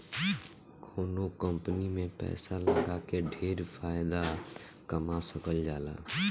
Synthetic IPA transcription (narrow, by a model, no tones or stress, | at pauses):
kʰoːnokəmpənimẽpɛ̰ːsaləɡakeɖʱeːɾpʰaːɪd̪a | kəmasəkəld͡ʒaːla̰ː